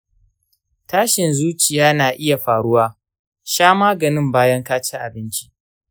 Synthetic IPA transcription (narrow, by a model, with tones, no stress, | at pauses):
taː˦ʃɪ˨nzuː˦t͡ʃɪ˨jaː˦naː˨ʔɪ˦ja˨ɸaː˨ɽʊ˦waː˦ | ʃaː˦maː˦ɡɐ˨nɪ˦mbaː˦jɐ˦ŋkaː˦t͡ʃi˦ʔa˨bɪ˦nt͡ʃi̥˦ʔ